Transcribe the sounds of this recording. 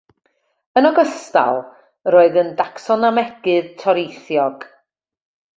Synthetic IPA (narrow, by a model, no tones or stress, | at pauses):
ənɔɡəsta̰lˠ | ɾoːɨðəndaksɔnamɛɡ̥ɨðtʰɔɾejθjɔɡ̥